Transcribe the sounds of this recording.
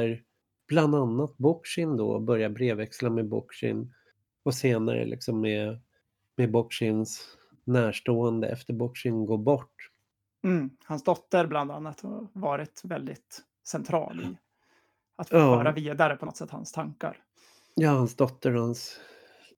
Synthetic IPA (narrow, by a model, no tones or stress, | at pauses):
æɾ | b̥land̪anːat̪̚bɔkʂɪnd̪ɔ̰ɔbœɾjabɾeːvɛkslamɛbɔ̰kʂɪ̰n | ɔseːna̰ɾə̰lʔɪ̰ksɔmːe | mebɔkʂɪns | næːʂʈoːɛnd̪ə̰ʔɛ̰ft̪əɾbɔkʂɪnɡoːbɔʈː | m̩hansd̪ɔt̪ːəɾbland̪anːat̪havɑːɾɪt̪vɛld̪ɪt̪ | sɛnt̪ʰɾɑ̰ːlɪ̰ | at̪ɑːœːɾaviːd̪aɾəpʰɔt̪sɛt̪ːha̰nst̪ʰaŋka̰ɾ | jɑːhansd̪ɔt̪ʰːəɾhans